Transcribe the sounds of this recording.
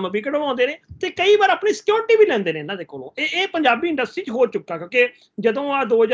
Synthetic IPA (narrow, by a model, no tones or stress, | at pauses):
məbiːkəɽəlãːnd̪eːneːt̪eːkəiːbaːɾaːpniːsɪ̥kjoːɾʈiːbiːlɛ̃ːnd̪eːneːnãːd̪eːkoːlõːeeːpəɲd͡ʒaːbiːɪ̃ɳɖəstʈɾiːt͡ʃɦoːt͡ʃʊkːaːkjõːkeː | d͡ʒəd̪õːaːd̪oːɦəd͡ʒ